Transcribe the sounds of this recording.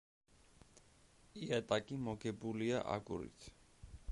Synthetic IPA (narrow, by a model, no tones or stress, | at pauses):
iat̪ʼakʼimɔɡɛbuliaʔa̰kʼṵɾḭt̪ʰ